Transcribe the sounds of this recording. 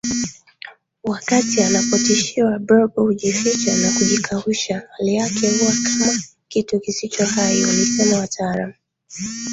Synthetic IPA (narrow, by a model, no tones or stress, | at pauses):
wakatianapɔtiʃiwabɾɔɓɔhuʄifit͡ʃanakuʄikʰauʃahalijakʰɛhuwakʰama | kitukisit͡ʃɔhaiwalisɛnawatʰaaɾam